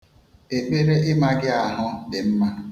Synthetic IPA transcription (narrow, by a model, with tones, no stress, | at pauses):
e˨k͡pe˦ɾe˦ʔɪ˦ma˦ɡɪ˦a˨ɦʊ˦dɪ˨m̩˦ma˦